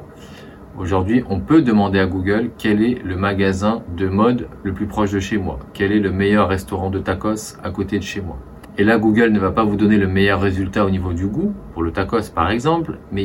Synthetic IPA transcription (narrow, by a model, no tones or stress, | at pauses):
oʒuʁd̪ɥiʔɔ̃pød̪əmɑ̃d̪eaɡuɡœlkʲɛlɛləmaɡazɛ̃d̪əmɔd̪ləplypχɔʃd̪əʃemwa̰kʲɛlɛləmejœʁːɛst̪ɔʁɑ̃d̪ət̪akɔs | akot̪ed̪əʃemwa̰ | elaɡuɡœlnəvapavud̪ɔneləmejœʁːezylt̪aonivod̪yɡupuʁlət̪akɔspaʁɛɡzɑ̃plmɛ